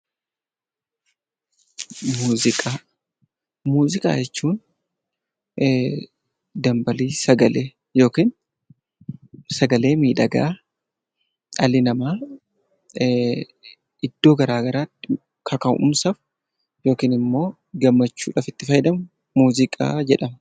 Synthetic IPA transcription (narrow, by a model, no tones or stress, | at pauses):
muːzɪkʼaː | muːzɪkʼa̰ːd͡ʒɛt͡ʃːuːn | d̪ɐmbɐliːsɐɡɐleː | jo̞ːkiːn | sɐɡɐle̞ːmiːᶑɐɡa̰ː | ɐlɪnɐmaː | ɪd̪ːo̞ːɡɐɾaːɡɐɾaːɪ | kʰɐkɐʔʊ̰msɐfʊ | jo̞ːkiːnɪmːo̞ː | ɡɐmːɐt͡ʃːuːᶑɐfɪt̪ːɪfɐjd̪ɐm | muːzɪkʼa̰ːd͡ʒɛᶑɐmɐ